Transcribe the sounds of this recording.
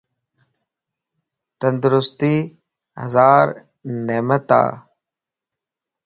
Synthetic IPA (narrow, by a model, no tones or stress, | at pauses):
t̪ənd̪ʊɾʊst̪iː | hə̰zaːɾ | neːmət̪a̰ː